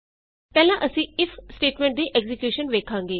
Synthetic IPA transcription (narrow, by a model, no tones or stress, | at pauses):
pɛːlãːʔəsĩːɪfʰsʈeːʈmẽɳʈ̚d̪iːʔɛɡzɪkjuːʃənʋeːkʰãːŋɡeː